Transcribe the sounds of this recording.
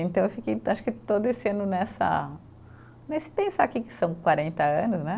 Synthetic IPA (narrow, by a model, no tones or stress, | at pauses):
ẽnt̪ɐ̃w̃ewfikej̪aʃʊ̥kɪt̪od̪ʊesɪɐ̃nʊnɛsɐ̰ | nesɪ̥pẽsakikɪ̥sɐ̃w̃kwaɾẽnt̪ɐɐ̃nʊsnɛ